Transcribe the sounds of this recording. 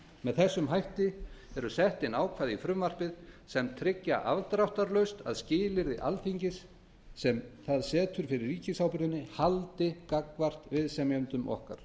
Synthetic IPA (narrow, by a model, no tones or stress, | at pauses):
mɛðθɛsːʏmɦajht̪ɪɛɾʏsɛht̪ɪnaːwkʰvaːðifɾʏmvar̥pɪðsɛmt̪ʰɾɪcːa̰ʔa̰vt̪ɾawht̪aɾlœɥst̪a̰ðscɪːlɪɾðɪʔalfiɲcɪsː | ɛmθaðsɛːt̪ʰʏɾ̥fɪɾɪrːiːcɪsaːwpɪɾðɪnːɪhalt̪ɪkakvar̥t̪vɪðsɛmjœmt̪ʏmʔɔ̰hka̰ɾ̥